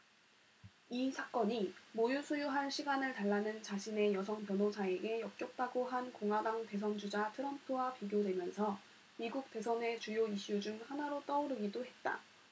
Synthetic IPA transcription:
isʰak͈ʌɲimojusʰujuɦanɕʰiɡanɯɭtaɭːanɯnt͡ɕaɕʰine̞jʌsʰʌŋpjʌnɦosʰaeɡe̞jʌp̚k͈jok̚t͈aɡoɦankoŋɦwadaŋte̞s̬ʰʌnd͡ʑud͡ʑatʰɯɾʌmpʰɯwapiɡjodwe̞mjʌnsʰʌ | miɡuk̚t͈e̞sʰʌne̞t͡ɕujoiɕ͈ud͡ʑuŋhanaɾot͈ʌuɾɯɡidoɦe̞t̚t͈a̰

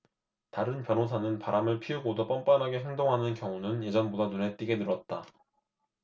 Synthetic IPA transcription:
taɾɯnpjʌnɦosʰanɯnpaɾamɯɭpʰiuɡodop͈ʌmp͈anɦaɡe̞ɦe̞ŋdoŋɦanɯnkjʌŋunɯnje̞d͡ʑʌnbodanune̞t͈iɡe̞nɯɾʌt̚t͈a

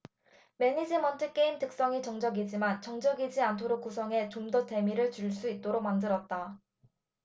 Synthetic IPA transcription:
me̞ɲid͡ʑimʌntʰɯk͈e̞imtɯk̚s͈ʌŋit͡ɕʌŋd͡ʑʌɡid͡ʑimant͡ɕʌŋd͡ʑʌɡid͡ʑiantʰoɾok͈us̬ʰʌŋe̞t͡ɕomdote̞miɾɯɭt͡ɕuɭs͈uit̚t͈oɾok̚mandɯɾʌt̚t͈a

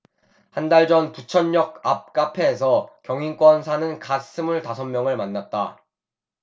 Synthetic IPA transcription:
handaɭd͡ʑʌntut͡ɕʰʌnjʌk̚ap̚k͈apʰeːsʰʌkjʌŋink͈wʌnsʰanɯnkas͈ʰɯmuɭtasʰʌmːjʌŋɯɭmanːat̚t͈a

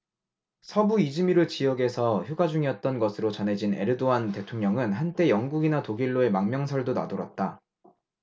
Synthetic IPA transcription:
sʰʌbuid͡ʑimiɾɯt͡ɕijʌɡe̞sʰʌçjuɡad͡ʑuŋiʌt̚t͈ʌnɡʌsʰɯɾot͡ɕʌnɦe̞d͡ʑine̞̰ɾɯdoante̞tʰoŋɲʌŋɯnɦant͈e̞jʌŋɡuɡinatoɡiɭːoe̞maŋmjʌŋsʰʌɭdona̰doɾʌ̰t̚t͈a

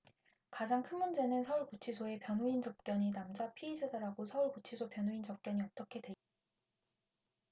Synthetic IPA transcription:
kad͡ʑaŋkʰɯnmund͡ʑe̞nɯnsʰʌuɭkut͡ɕʰisʰoe̞pjʌnɦoint͡ɕʌp̚k͈jʌɲinamd͡ʑapʰiid͡ʑadaɾaɡosʰʌuɭkut͡ɕʰisʰopjʌnɦoint͡ɕʌp̚k͈jʌɲiʌt͈ʌkʰe̞dwe̞

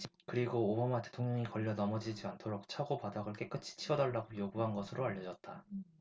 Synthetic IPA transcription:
kɯɾiɡoːbamate̞tʰoŋɲʌŋikʌʎːʌnʌmʌd͡ʑid͡ʑiantʰoɾok̚t͡ɕʰaɡopadaɡɯɭk͈e̞k͈ɯt͡ɕʰi̥t͡ɕʰiʌdaɭːaɡojoɡuɦanɡʌsʰɯɾoaʎːʌd͡ʑʌt̚t͈a

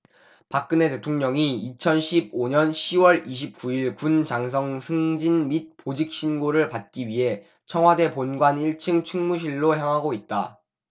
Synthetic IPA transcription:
pak̚k͈ɯne̞te̞tʰoŋɲʌŋiit͡ɕʰʌnɕʰib̚oɲʌnɕʰiwʌɭiɕ̬ʰip̚k͈uiɭkunt͡ɕaŋs̬ʰʌŋsʰɯŋd͡ʑinmit̚pod͡ʑik̚ɕ͈ʰinɡoɾɯɭpat̚k͈iɥiɦe̞ | t͡ɕʰʌŋwade̞ponɡwaniɭt͡ɕʰɯŋt͡ɕʰɯŋmuɕ̬ʰiɭːoçjaŋɦaɡoit̚t͈a

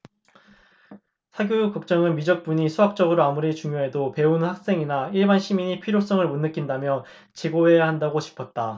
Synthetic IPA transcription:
sʰaɡjojkɯk̚t͡ɕ͈ʌŋɯnmid͡ʑʌk̚p͈uɲisʰuɦak̚t͡ɕ͈ʌɡɯɾoamuɾit͡ɕuŋjoɦe̞dope̞unhak̚s͈e̞ŋinaiɭbanɕʰimiɲipʰiɾjos͈ʌŋɯɭmunːɯk͈indamjʌ | t͡ɕeɡoɦe̞jaɦandaɡot͡ɕi̥pʰʌt̚t͈a

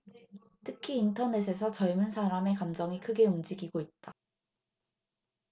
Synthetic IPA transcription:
tʰɯkʰiːntʰʌne̞s̬ʰe̞s̬ʰʌt͡ɕʌɭmunsʰaɾame̞kamd͡ʑʌŋikʰɯɡe̞umd͡ʑiɡiɡoit̚t͈a

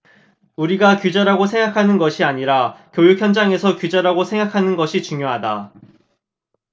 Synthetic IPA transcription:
uɾiɡakjud͡ʑaɾaɡosʰe̞ŋɡakʰanɯnɡʌɕʰiaɲiɾakjojuk̚çjʌnd͡ʑaŋe̞sʰʌkjud͡ʑaɾaɡosʰe̞ŋɡakʰanɯnɡʌɕʰit͡ɕuŋjoɦada

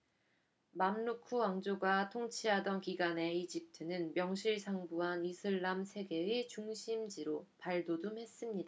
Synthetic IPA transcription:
mamnukʰuaŋd͡ʑoɡatʰoŋt͡ɕʰiɦadʌnkiɡane̞id͡ʑip̚tʰɯnɯnmjʌŋɕʰiɭsʰaŋbuɦanisʰɯɭːamsʰe̞ɡe̞it͡ɕuŋɕʰimd͡ʑiɾopaɭdodumɦe̞s͈ɯmɲida

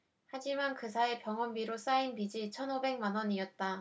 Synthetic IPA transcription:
had͡ʑimankɯsʰae̞pjʌŋʌmbiɾos͈ainpid͡ʑit͡ɕʰʌnobe̞ŋ̚manwʌniʌt̚t͈a

